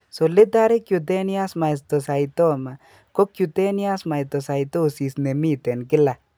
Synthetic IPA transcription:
so˨li˦da˦ɾi˦kju˨t̬ɛ˦ni˦a˦sma˨i˨st̪ɔ˨sa˨jto˦ma˨ | ko˦kju˨te˦ni˦a˦sma˨jt̪ɔ˨sa˨jt̪o˦˨si˨sne˨mi˦t̪ɛ˨nkɪ˦la˨

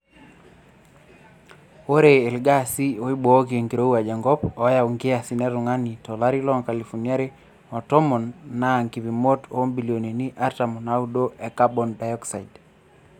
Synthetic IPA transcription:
o˦ɾeː˨lɡa˦si˦o˨i˦bɔ˨˦ki˨e˨ŋɡi˨ɾo˦wa˨d͡ʒa˨ŋɡɔ˦pɔ˨˦ja˨u˨ŋɡɪ˦a˨si˨nɛ˦ɾʊ˨ŋa˦ni˨tɔ˨la˦ɾi˦lɔ˦ŋka˨li˨fɔ˨nja˦ɾe˦ | ɔ˨tɔ˦mɔ˨nːa˦˨ŋki˨vi˨mo˦to˦mbi˨lio˨ne˨ni˦ʔa˦ɾta˨mɔ˨na˦u˦do˦ʔɛ˨ka˦bɔ˨nda˨jɔ˦ksa˨id

